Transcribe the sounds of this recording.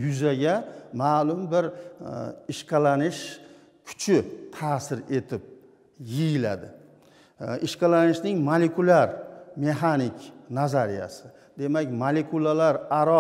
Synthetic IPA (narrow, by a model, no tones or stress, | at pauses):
jʊzaɡʲamaːlʊmbɪɾ | ɪʃqʰɑlanɪʃ | kʲʰʊ̥t͡ʃʰɪt̪ʰaːsɪɾe̞t̪ʰɪp̚ | jɪjɪla̰d̪ɪ̰ | ʔɪʃqɑlanɪʃnɪŋmalekʰʊlaɾme̞ɦanɪkʲnazaɾija̰sɪ | d̪e̞makʲmalekʰulalaɾaɾɒ